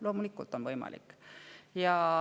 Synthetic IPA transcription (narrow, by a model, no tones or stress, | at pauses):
lo̞ːmulikːˑult̪ːˑonʋɤjmɑ̰lʔḭkːjɑ